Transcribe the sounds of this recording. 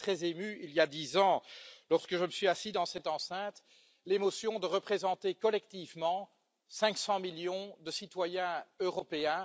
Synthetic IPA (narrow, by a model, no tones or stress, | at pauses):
t̪χɛzemyiljad̪izɑ̃lɔʁskəʒəməsɥiasid̪ɑ̃sɛt̪ɑ̃sɛ̃t̪ | lemɔsjɔ̃d̪əʁəpχezɑ̃t̪ekɔlɛk̚t̪ivmɑ̃ | sɛ̃ksɑ̃miljɔ̃d̪əsit̪wajɛ̃øʁɔpeɛ̃